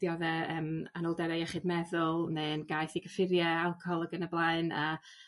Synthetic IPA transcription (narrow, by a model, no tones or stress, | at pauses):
d̥jɔðɛəːmanɔlˠdɛɾejɛχɨdmɛðʊlˠneːnɡajθiɡəfɪɾjɛalˠkʰɔɔlˠəɡənəblˠaɨna̰